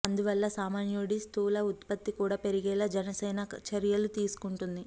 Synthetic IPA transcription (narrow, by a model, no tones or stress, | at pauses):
ɐnd̪uʋɐlːɐsaːmaːnjoːɽist̪uːlɐut̪̚pɐt̪ːikuːɽaːpe̞ɾiɡɛːlaːd͡ʒɛnɐsɛːnɐt͡ʃɐɾjɐlut̪iːsu̥kuɳʈund̪i